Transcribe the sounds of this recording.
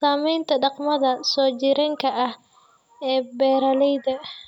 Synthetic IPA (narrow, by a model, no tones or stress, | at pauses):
saːmɛjnt̪ʰɐɖɑqmɐðɐsɔːt͡ʃɪɾɛŋkʰɐʔɐh | ɛːbɛːɾɐlɛjðɐ